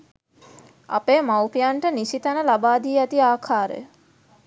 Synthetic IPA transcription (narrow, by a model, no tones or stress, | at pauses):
a̰peːmawpijaɳʈəniʃit̪anəlabaːd̪iːæt̪iaːkʰaːɾə̰jə